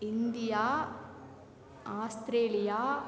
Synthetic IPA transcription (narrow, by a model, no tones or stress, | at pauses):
ɪnd̪ɪjaː | aːst̪ɾeːlɪjaː